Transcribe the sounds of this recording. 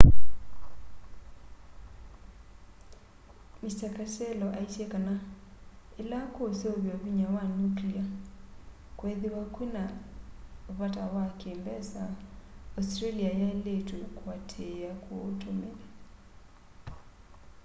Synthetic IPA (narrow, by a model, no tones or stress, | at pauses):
mistakasɛlɔʔaisjekana | elakoseoβjɔβiɲawanuklia | kweðeɾwakwena | βatawakembɛsaɔstɾeliajaeletukwatʰeakʰootomela